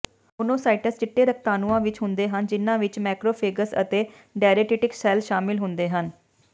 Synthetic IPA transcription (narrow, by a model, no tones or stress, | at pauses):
ʊnõːsaːiʈəst͡ʃɪʈːeːɾək̚ʰt̪aːnuãːʋɪt͡ʃɦʊnd̪eːɦənd͡ʒɪnːãːʋɪt͡ʃmɛːkɾoːpʰeːɡəsə̰t̪eː | ɖaːɾeːʈiːʈɪksɛːlʃaːmɪlɦʊnd̪eːɦən